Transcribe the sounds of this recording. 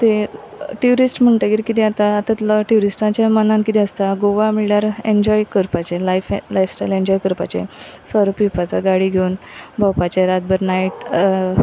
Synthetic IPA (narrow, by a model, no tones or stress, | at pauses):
t̪e | ʈjuɾisʈm̤əɳʈaɡiɾikit̪ɛ̃at̪aːt̪at̪lʈjuɾisʈãt͡ɕamənãnkit̪ɛ̃əst̪aɡoʋamiljaɾeɲd͡ʑɔjkəɾpat͡ɕelajflajfsʈajlẽɲd͡ʑɔjkəɾpa̰t͡ɕḛsəɾəpipat͡saɡaɽiɡʱeunbʱawpat͡ɕeɾat̪̚bəɾnaiʈ